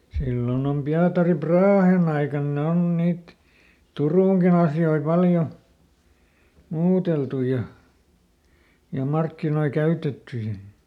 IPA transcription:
silːon om piɑtɑri prɑːhen ɑikɑn ne on niːt turuˑŋkin ɑsjoi pɑljo muːteltu jɑ jɑ mɑrkːinoi kæytetːy jɑ

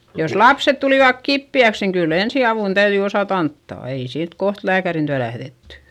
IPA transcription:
jos lɑpset tuliˑʋɑk kipːiæks niŋ kylː ensiɑʋuˑn tæyðyi osɑˑt ɑntːɑˑ ei siːt koht læːkærin tyæ læhðetːy

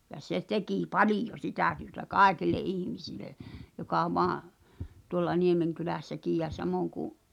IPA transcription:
jɑ se tekiˑ pɑlijo sitæˑ tyø̆tæ kɑˑekilˑe ʔihmisile jokɑ ʋoɑˑ tuŏlːɑ niemeŋkylæˑsːækiːj jæ sɑmoˑŋ kuʔ

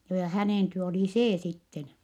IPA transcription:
joː jɑ hæneˑn tyø oliˑ seː sitːen

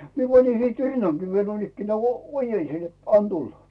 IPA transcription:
mie pɑnin siˑt rinːɑŋkiː ʋiel nuoinːikːenæː oojensin net ɑn tulːɑ

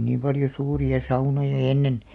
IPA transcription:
niːm pɑljo suːriɑ sɑunojɑ enːen

